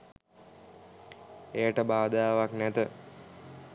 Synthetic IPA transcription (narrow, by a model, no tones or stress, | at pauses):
ejəʈəbaːd̪əjaʋaknæt̪ə